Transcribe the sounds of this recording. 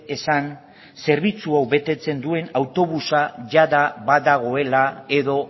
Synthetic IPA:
e̞san | se̞ɾβit͡suawβe̞t̪e̞t͡se̞nd̪ue̞nawt̪o̞β̞usaʝaðaβad̪aɣ̞o̞e̞lae̞ðo̞

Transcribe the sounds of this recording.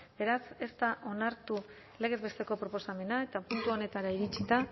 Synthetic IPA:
be̞ɾase̞st̪aʔo̞naɾt̪u | le̞ɣ̞e̞zβe̞st̪e̞ko̞pɾo̞po̞same̞nae̞t̪apunt̪uo̞ne̞t̪aɾaiɾit͡ʃit̪a

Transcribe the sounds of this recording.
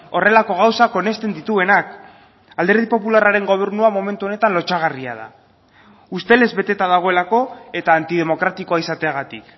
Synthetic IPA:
ore̞lako̞ɣ̞awsako̞ne̞st̪e̞nd̪it̪ue̞nak | ald̪eɾðipo̞pularaɾe̞ŋɡo̞β̞e̞ɾnuamo̞me̞nt̪uone̞t̪anlo̞t͡ʃaɣaria̰ða̰ | ust̪e̞le̞zβe̞t̪e̞t̪aðaɣ̞o̞elako̞e̞t̪aːnt̪ið̞e̞mo̞kɾat̪iko̞aisat̪e̞aɣat̪ik

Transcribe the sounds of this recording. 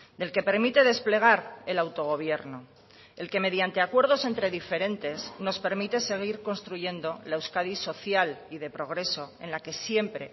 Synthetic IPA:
d̪e̞lke̞pe̞ɾmit̪e̞ðe̞sple̞ɣ̞aɾe̞lawt̪o̞ɣ̞o̞β̞je̞ɾno | e̞lke̞me̞ðjant̪e̞akwe̞ɾðo̞se̞nt̪ɾe̞ðife̞ɾe̞nt̪e̞sno̞spe̞ɾmit̪e̞se̞ɣ̞iɾko̞nst̪ɾuʝe̞nd̪o̞laewskaðiso̞θjaliðe̞pɾo̞ɣ̞ɾe̞so̞ẽ̞nlake̞sje̞mpɾe̞̰

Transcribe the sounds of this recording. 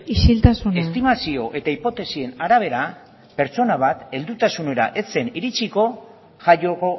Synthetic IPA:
isilt̪asune̞st̪imasio̞ʔe̞t̪aipo̞t̪e̞sie̞naɾaβ̞e̞ɾa | pe̞ɾt͡so̞naβ̞at̪e̞ld̪ut̪asune̞ɾa̰ʔe̞se̞niɾit͡siko̞ | ʝajo̞ɣo̞

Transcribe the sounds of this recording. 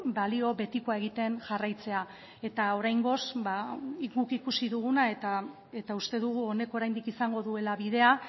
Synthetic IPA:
balio̞βe̞t̪iko̞ae̞ɣ̞it̪e̞nʝarajt͡se̞a | e̞t̪ao̞ɾajŋɡo̞sbaiɡukikusiðuɣunaet̪a | e̞t̪aust̪e̞ðuɣ̞uo̞ne̞koɾajnd̪ikisaŋɡo̞ðue̞laβiðe̞a

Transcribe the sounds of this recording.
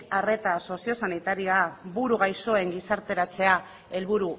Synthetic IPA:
are̞t̪aso̞sio̞sanit̪aɾioaβuɾuɣ̞ajso̞e̞ŋɡisaɾt̪e̞ɾat͡se̞a | e̞lβuɾu

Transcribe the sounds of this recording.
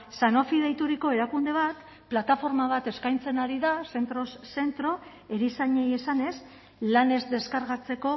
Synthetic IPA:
sano̞fið̞ejt̪uɾiko̞e̞ɾakund̪e̞β̞at̪ | plat̪afo̞ɾmaβ̞at̪e̞skajnt͡se̞naɾiðase̞nt̪ɾo̞sːe̞nt̪ɾo̞ | e̞ɾisaɲe̞je̞sane̞s | lane̞zd̪e̞skaɾɣat͡se̞ko̞

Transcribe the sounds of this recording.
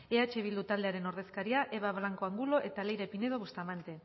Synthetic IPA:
eat͡ʃeβild̪ut̪ald̪e̞aɾe̞no̞ɾðe̞skaɾiaʔe̞βaβlaŋko̞aŋɡulo̞ʔe̞t̪ale̞jɾe̞pine̞ðo̞ust̪amant̪e̞

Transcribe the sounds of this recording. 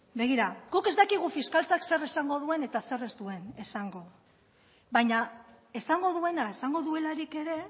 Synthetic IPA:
be̞ɣ̞iɾaɡ̥uke̞zd̪akiɣ̞ufiskalt͡sakse̞resaŋɡo̞ðue̞ne̞t̪ase̞re̞zd̪ue̞ne̞saŋɡo̞ | βaɲa | e̞saŋɡo̞ðue̞nae̞saŋɡo̞ðue̞laɾike̞ɾe̞

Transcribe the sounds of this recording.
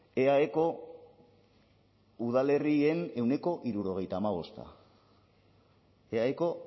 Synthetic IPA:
e̞aeko̞ | uðale̞rie̞ne̞wne̞ko̞ʔiɾuɾo̞ɣ̞e̞jt̪aːmaβ̞o̞st̪a̰ | eaeko̞

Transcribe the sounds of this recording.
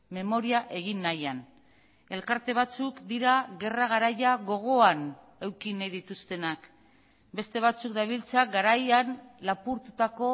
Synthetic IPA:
me̞mo̞ɾiaʔe̞ɣ̞inːajan | e̞lkaɾt̪e̞β̞at͡sukd̪iɾaɣe̞raɣ̞aɾajaɣo̞ɣ̞o̞an | e̞wkinajðit̪ust̪e̞nak | be̞st̪e̞β̞at͡sukd̪aβ̞ilt͡saɡaɾajanlapuɾt̪ut̪ako̞

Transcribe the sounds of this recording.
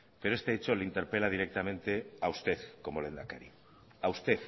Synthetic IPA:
peɾoest̪e̞et͡ʃo̞leint̪e̞ɾpe̞laðiɾek̚t̪amẽnt̪eaust̪e̞ðkomolend̪akeɾi | aust̪eθ

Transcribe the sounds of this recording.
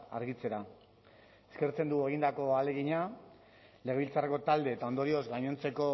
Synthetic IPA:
a̰ɾɣit͡se̞ɾa | eske̞ɾt͡se̞nd̪uɣeɣ̞ind̪ako̞ale̞ɣiɲa | le̞ɣe̞βilt͡sareko̞t̪ald̪e̞ːt̪ao̞nd̪o̞ɾio̞zɡaɲont͡se̞ko̞

